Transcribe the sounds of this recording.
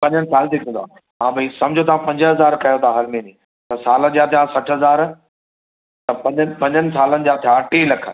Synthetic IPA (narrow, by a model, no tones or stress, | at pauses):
pɐ̃ɲənɪ̆saːlt̪ɪkʰə̃nd̪oã̰ː | mãːbɐisɐ̃md͡ʑʱot̪ʰãpɐ̃ɲd͡ʑɦɐzaːɾkɐjot̪ʰaɦɐlmẽːnĩː | t̪ɐsaːləd͡ʑjat̪ʰijãsɐʈʰɦɐzaːɾ | t̪ɐpɐ̃npɐ̃ɲd͡ʑənɪ̆s̬aːlənɪ̆d͡ʑat̪ʰijaʈiːlɐkʰə̆